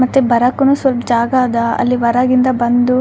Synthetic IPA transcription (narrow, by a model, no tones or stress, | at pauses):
mɐt̪ːubɐɾakːunuːsʋɐlpɐd͡ʒaːɡaːd̪ɐɐ̰lːiʋɐɾaːɡind̪ɐbɐnd̪u